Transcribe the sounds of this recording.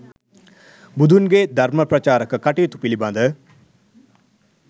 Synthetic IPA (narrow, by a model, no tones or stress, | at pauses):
bud̪ʱunɡed̪ʱɐɾmɐpɾɐt͡ʃaːɾəkəkɐʈiːt̪upilibɐ̃nd̪ə